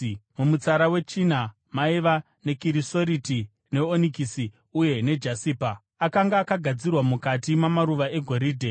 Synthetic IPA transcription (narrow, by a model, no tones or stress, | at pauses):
mumut͡saɾawe̞t͡ʃina | maiʋa | ne̞kiɾiso̞ɾiti | ne̞onikisi | uje̞ne̞d͡ʒasiːpa | akaŋɡaːkaɡʱad͡zirwamukatimamaɾuʋae̞ɡʱo̞ɾiːdʱe